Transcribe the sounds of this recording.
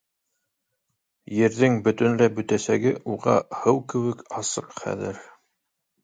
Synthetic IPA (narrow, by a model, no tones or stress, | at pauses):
jɘ̆ɾðɘŋbɵ̆t̪ɵ̆nlæbɵ̆t̪æsæɡɘʔuʁɑ̰hɤwkɘ̆wɘ̆kɑsɤqχæ̰ðɘ̰ɾ